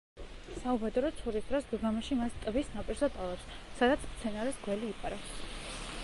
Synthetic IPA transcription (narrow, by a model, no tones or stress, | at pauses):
saubɛd̪ɔɾɔt̪sʰχuɾipʰɾasɡəɡamaʃimast̪ʼbisnapʼiɾzat̪ʼalˠaɾs | sad̪at̪sʰmt̪sʰɛnaɾɛsɡwɛliːpʼaɾas